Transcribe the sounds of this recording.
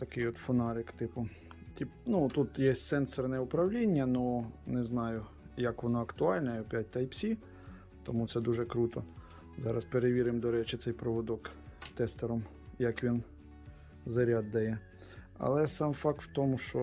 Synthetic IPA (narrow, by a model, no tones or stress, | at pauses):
t̪ɐkɪjɔt̪fɔnɑɾɪkt̪ɪpʊ | tʲipnut̪ut̪jɛsʲsɛnsɔrnɛʊpɾɐwlʲinʲːɐnunɛznɑjʊ | jɐkʋɔnɔɐkt̪ʊɑlʲnɐpʲjat̚ʲt̪ɐjpsʲi | t̪ɔmut̪sɛd̪uʒɛkɾut̪ɔ | zɑɾɐspeɾeʋʲiɾɪmd̪ɔɾɛt͡ʃɪt̪sɛjpɾɔʋɔd̪ɔkt̪ɛst̪ɛɾɔm | jɐkʋʲin | zɐɾʲad̪ːɐjɛ | ɐ̰lˠɛsɑmfɑk̚t̪wt̪ɔmʊʃt͡ʃɔ